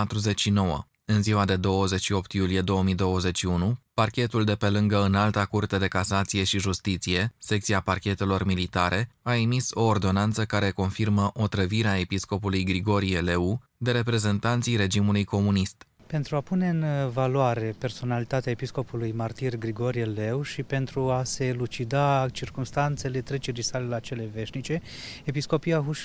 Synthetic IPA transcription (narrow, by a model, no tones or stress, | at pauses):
at̪ɾuze̞t͡ʃʲʃino̞wə̰ | ɨnziwad̪e̞d̪o̞wəze̞t͡ʃʃio̞p̚t̪julije̞d̪o̞wəmijd̪o̞wəze̞t͡ʃʃiunuparkʲe̞t̪uld̪e̞pe̞lɨŋɡəɨnalt̪akurt̪e̞d̪e̞kasat̪sije̞ʃiʒust̪it̪sije̞se̞kt̪siaparkʲe̞t̪e̞lo̞rmilit̪aɾʔe̞aemiso̞ːrd̪o̞nant̪səkaɾe̞ko̞nfirməʔo̞t̪ɾəviɾeae̞pisko̞pulujɡɾiɡo̞ɾie̞le̞u | d̪e̞ɾe̞pɾe̞ze̞nt̪ant̪sijɾe̞d͡ʒimulujko̞munist̪ | pe̞nt̪ɾuapune̞ɨnvalwaɾe̞pe̞rso̞nalit̪at̪eaepisko̞pulujmart̪irɡɾiɡo̞ɾiele̞wʃipe̞nt̪ɾuase̞lut͡ʃid̪at͡ʃirkumst̪ant̪se̞le̞t̪ɾe̞t͡ʃeɾisalelat͡ʃe̞le̞ve̞ʃnit͡ʃe̞ | episko̞pijaɦuʃ